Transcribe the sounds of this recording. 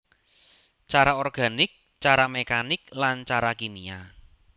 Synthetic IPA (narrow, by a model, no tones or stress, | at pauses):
t͡ʃaɾaɔrɡ̥a̤nɪk̚ | t͡ʃaɾamekanɪklant͡ʃaɾakinia